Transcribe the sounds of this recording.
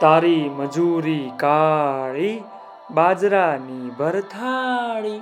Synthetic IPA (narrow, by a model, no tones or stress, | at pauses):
t̪aːɾiməd͡ʒuɾikaɭi | baːd͡ʒɾanibʱəɾt̪ʰaɭi